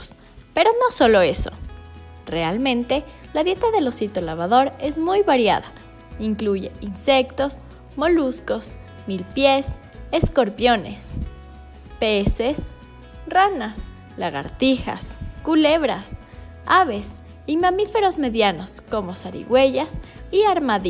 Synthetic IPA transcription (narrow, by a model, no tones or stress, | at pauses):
s | pe̞ɾo̞no̞so̞lo̞eso̞̰re̞almẽnt̪e̞ | laðje̞t̪aðe̞lo̞sit̪olaβ̞aðo̞ɾe̞zmujβaɾja̰ða | iŋkluʝe̞̰inse̞kt̪o̞z | mo̞lusko̞s | milpjes | esko̞ɾpjo̞ne̞̰s | pese̞s | ranas | laɣa̰ɾt̪ixa̰skule̞βɾas | aβe̞s | imãmife̞ɾo̞zme̞ðjano̞sko̞mo̞saɾḭɣwe̞ʝasiaɾmaði